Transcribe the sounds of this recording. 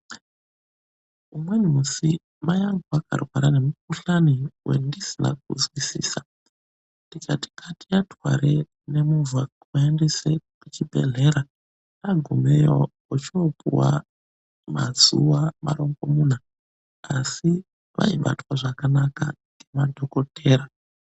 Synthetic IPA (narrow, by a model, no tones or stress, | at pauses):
umwenmusi | majaŋɡoakʰa̰rwaɾane̞muk̚uɬaniwe̞̰ndisina̰k̚uzwisḭːsa | ndikati̥kʰatijatwaɾe | ne̞muvwa | waendesekut͡ʃibʱe̞̰ɮe̞ɾa | aɡʱumejo | ut͡ʃiopṵwa̰ | mazuwama̰ɾo̞ŋɡo̞mun̤a | asi | ʋʔa̰iɓa̰twaʐakanaka̰ŋɡe̞madʱo̞ko̞tʰe̞ːɾa